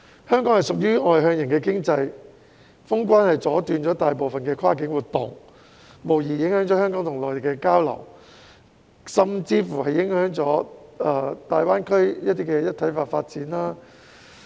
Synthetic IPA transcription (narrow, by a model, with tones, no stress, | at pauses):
hœː˥ŋkɔː˨˥ŋhɐ˨˩jsʊ˨k̚jyː˥ɔː˨˧jɦœː˧ŋjɪ˨˩ŋkɛː˧kɪ˥ŋt͡sɐ˧j | fʊ˥ŋkʷwaː˥nhɐ˨jt͡sɔː˨˥t̪yː˨nt͡ʃɔː˨˥t̪aː˨jpo˨wfɐ˨nkɛː˧kʰwaː˥k̬ɪ˨˥ŋwuː˨˩t̪ːʊ˨ŋ | mo˨˩wjiː˨˩jɪ˨˥ŋhœː˨˥ŋt͡sɔː˨˥hœː˥ŋkɔː˨˥ŋt̪ʰʊ˨˩ŋlɔː˨˩jt̪e˨˩kɛ˧kaː˥wlɐ̰˨˩w | sɐ˨mt͡siː˧fuː˨˩hɐ˨jːɪ˨˥ŋhœː˨˥ŋt͡sɔː˨˥ɐː˧t̪aː˨jwaː˥nkʰɵ˥ɥjɐ˥t̪̚iː˥kɛː˧jɐ˥t̪ʰɐ˨˥jfaː˧t̚faː˧t̚t͡siː˨˥nlaː˥